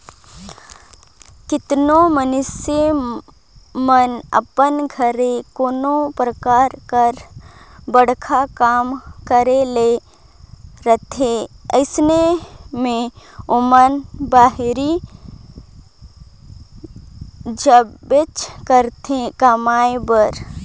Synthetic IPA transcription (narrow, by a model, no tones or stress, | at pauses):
kɪt̪nomənʊse | mənə̰pənɡʱəɾekoːnopɾəkaːɾkəɾ | bəɽ̤kʰakaːmkəɾele | ɾət̪ʰeəɪsnemẽʊmənbaːɦɾi | d͡ʒəet͡ʃkəɾt̪ekɐmaːebəɾ